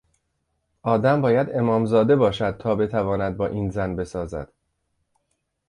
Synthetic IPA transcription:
ʔɒːd̪æmbɒːjæd̪e̞mɒːmzɒːd̪e̞bɒːʃæd̪̚t̪ʰɒːbe̞t̪ʰævɒːnæd̪̚bɒːʔiːnzænbe̞sɒːzæ̰d̪̥

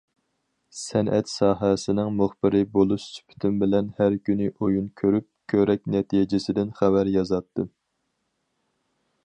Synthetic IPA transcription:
sɛnʔɛ̰t̪sɑːɦɛsɪnɪŋmuχbɪɾɪbolˠuʃsy̥pʰt̪ʰɪmbɪlɛnhæɾkʲynɪʔojunkʲʰøɾyp̚kʲʰøɾɛk̚ʲnɛt̪ʰijd͡ʒɪsɪd̪ɪnχævæɾjɑzɑt̪ʰːɨ

